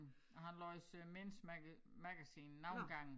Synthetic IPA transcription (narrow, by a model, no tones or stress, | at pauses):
ɒ̽ɦænlɔsmensmæmæɡ̥æsiːnːɑ̈ʊ̰nɡ̥ɑ̈ŋ̰n̩